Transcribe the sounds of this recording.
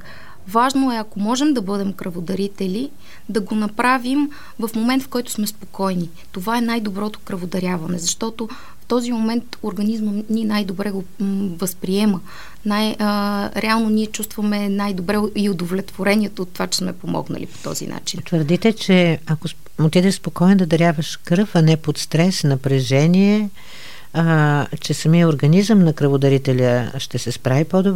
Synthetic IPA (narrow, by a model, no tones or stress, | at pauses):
vaʒnoɛɐkomɔʒɛmd̪ɐbɤd̪ɛmkɾɐvod̪ɐɾit̪ɛli | d̪ɐɡonɐpɾavim | vɐfmomɛnt̪fkɔjt̪ʊ̥smɛspokɔjni | t̪ovaɛnajd̪obɾɔt̪o̥kɾɐvod̪ɐɾʲjavɐnɛzɐʃt̪ɔt̪o | ft̪ɔzimomɛnt̪oɾɡɐnizməninajd̪obɾɛɡovəspɾiɛmə | najɾɛalˠnoniɛt͡ʃust̪vəmɛnajd̪obɾɛiod̪ovlʲɛt̪voɾɛniɛt̪oːt̪ːovat͡ʃɛ̥smɛpomɔ̰ɡnə̰lʔḭpo̥t̪ɔ̰zḭnʔa̰t͡ʃint̪vəɾd̪it̪ɛt͡ʃɛɐko | ot̪id̪ɛʃspokɔɛnd̪ɐd̪ɐɾʲjavəʃkɾɤfɐnɛpot̪st̪ɾɛsnɐpɾɛʒɛniɛ | t͡ʃɛsɐmiəoɾɡɐnizəmnɐkɾəvʊd̪ɐɾit̪ɛlʲəʃt̪ɛsɛspɾavipɔd̪ob